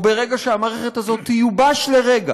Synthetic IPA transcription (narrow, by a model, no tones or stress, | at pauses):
be̞ʁeɡaʃeamaːʁeχe̞t̪azo̞t̪ːijubaʃle̞ʁeɡa̰